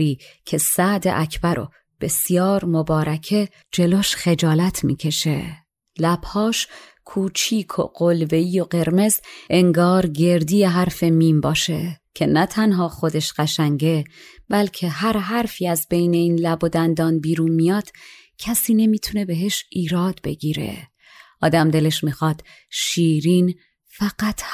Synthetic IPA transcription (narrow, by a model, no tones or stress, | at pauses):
iːcʰe̞sæʔd̪ḛʔæcʰbæɾʔo̰ | b̥e̞sijɒːɾmobɒːɾæcʰe̞ | d͡ʒe̞loːʃxe̞d͡ʒɒːlæt̪ʰmḭːcʰe̞ʃe̞ | læb̥hɒːʃ | kʰuːt͡ʃʰiːkʰo̞̰ɢolve̞iːjo̞ɢe̞ɾme̞ze̞ŋɡɒːɾɟe̞ɾd̪iːjeɦæɾfe̞miːmbɒːʃe̞cʰe̞næt̪ʰænɦɒːxo̞d̪e̞ʃɢæʃæŋɟe̞b̥ælcʰe̞ɦæɾɦæɾfiːæzbe̞jne̞iːnlæbod̪ænd̪ɒːnbiːɾuːnmijɒːd̪̥ | cʰæsiːne̞miːt̪ʰune̞be̞ɦeʃiːɾɒːd̪be̞ɡiːɾḛ | ʔɒːd̪æmd̪e̞le̞ʃmiːxɒːd̪̥ | ʃiːɾiːn | fæɡæt̪